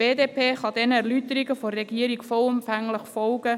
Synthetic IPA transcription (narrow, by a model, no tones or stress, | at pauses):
b̥eːdeːpʰeːχɑdɛnəɛʁlytəɾɪɡəforːɛɡiːəɾiɡfɔlʊmfæŋləχfɔlɡə